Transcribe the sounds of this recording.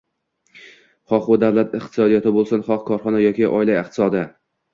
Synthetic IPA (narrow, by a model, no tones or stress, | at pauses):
χɒqbʊd̪avlat̪ɪqt̪ɪ̥sɒd̪ijat̪ʰɪbolˠsʊnχɒqkʰɒɾχɒnajɒkʲʰiʔɒ̰ɪlaɪqt̪ʰɪ̥sɒd̪ɪ